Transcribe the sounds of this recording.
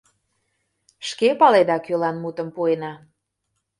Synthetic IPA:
ʃkepɑled̪ɑkølɑnmut̪ə̆mpuenɑ

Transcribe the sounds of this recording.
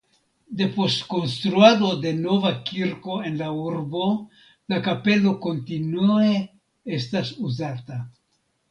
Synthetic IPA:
d̪e̞po̞stko̞nst̪ɾuado̞d̪e̞no̞vakiɾko̞e̞nlauɾbo̞ | lakape̞lo̞ko̞ntinue | estasuzata

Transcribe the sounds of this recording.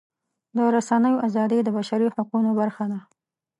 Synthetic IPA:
d̪əɾasanəjoʔazɑd̪əjd̪əbaʃaɾihaqunobaɾxana

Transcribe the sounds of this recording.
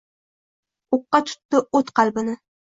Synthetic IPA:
oqːɑt͡ʃʰʊ̥t̪ːɪot̪qʰɑlbɪnɪ

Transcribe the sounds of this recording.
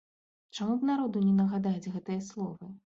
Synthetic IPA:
t͡ʂamubnaɾɔd̪unʲɛnɐɣad̪ad͡zʲɣɛt̪ɨjɐslˠɔvɨ

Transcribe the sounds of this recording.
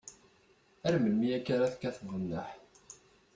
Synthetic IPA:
æɾməlmiækːaɾaθkːæθəvʁənːəħ

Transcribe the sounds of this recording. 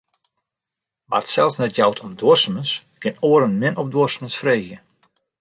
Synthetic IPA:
ʋa̰tsɛlˠsnɛtjawtʰɔmduəsəməns | kɪnoːəɾənmɪnɔp̚doəsəmənsfreːɣjə

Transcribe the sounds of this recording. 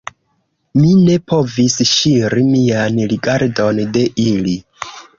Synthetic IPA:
mine̞pʰo̞visʃiɾimianliɡaɾdo̞nde̞ʔili

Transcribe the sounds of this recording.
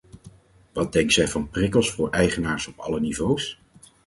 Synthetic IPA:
ʋɑt̚dɛŋksɛjvɑnprɪkəlˠsfʊːɹɛjχənaːɹsɔpɑ̰lənivows

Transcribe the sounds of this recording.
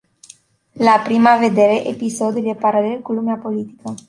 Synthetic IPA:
lapɾimave̞d̪e̞ɾe̞ʔepiso̞d̪ulʲd̪e̞paɾale̞lkulumeapo̞lit̪i̥kə

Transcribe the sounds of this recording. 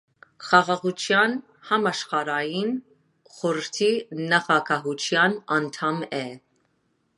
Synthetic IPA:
χɑʁɑʁut͡ʃʰjɑn | hɑmɑʃχɑɾɑjin | χɔɾəɾt̪ʰinɑχɑkʰɑɦut͡ʃʰjɑnɑnt̪ʰɑmɛ

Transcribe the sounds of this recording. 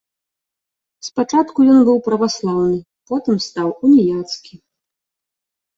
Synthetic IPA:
spat͡ʂat̪kujɔnbɨwpɾɐvaslˠawnɨ | pɔt̪ɨmst̪awunʲijat̪skʲi

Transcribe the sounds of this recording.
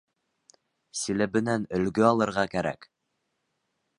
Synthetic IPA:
silɘ̆bɘ̆nænɵ̆lɡɵɑlˠɤ̆ɾʁɑkæɾæ̰k

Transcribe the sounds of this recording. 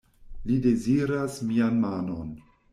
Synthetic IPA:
lideziɾasmianmanon

